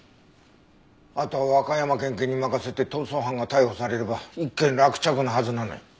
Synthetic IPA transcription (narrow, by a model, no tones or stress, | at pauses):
at̪o̞aβakajamakẽ̞ŋkẽ̞ɲ̟ːimakase̞t̪e̞t̪osõɦãŋɡat̪aiho̞saɾe̞ɾebaikːẽnɾakɯ̟̥t͡ɕakɯ̟naɦazɨnano̰i